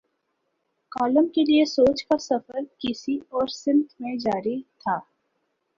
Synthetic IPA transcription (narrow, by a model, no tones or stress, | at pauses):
kaːləmkeliesoːt͡ʃkasɐfəɾkɪsiɔːɾsɪ̃nt̪ʰmẽd͡ʒaːɾit̪ʰaː